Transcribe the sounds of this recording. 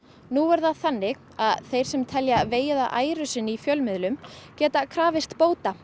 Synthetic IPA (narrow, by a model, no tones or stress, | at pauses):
nuɛɾðaðθanːɪɣ | aðθejɾ̥sɛmt̪ʰɛljaveːjɪðaʔaːjɾʏsɪnːɪifjœlmɪðlʏmcɛːt̪akʰɾaːvɪst̪poːwt̪a